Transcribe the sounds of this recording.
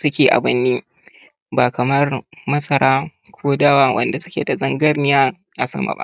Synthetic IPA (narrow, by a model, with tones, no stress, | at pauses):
sʊ˦kʲeː˨ʔa̰˨bɐ˦nːiː˦ | baː˨kɐ˨mɐ˦rmɐ˦sɐ˨ɾaː˦kʷʰoː˦daː˦waː˦wʔɐ̰˨nda˨sʊ˦kʲḛː˨da˨zɐ˦ŋɡɐ˦rnɪ˦jaː˦ | ja˨sɐ̰˦ma̰˨ba̰˦ʔ